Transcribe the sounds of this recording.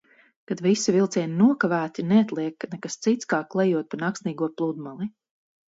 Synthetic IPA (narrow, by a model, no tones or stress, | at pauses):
kad̪visivilˠt̪iɛninuɔkavæːt̪inɛat̪lˠiɛknɛkast̪sit̪skaːklˠɛjuɔt̪̚panaksniːɡuɔplˠud̪malˠi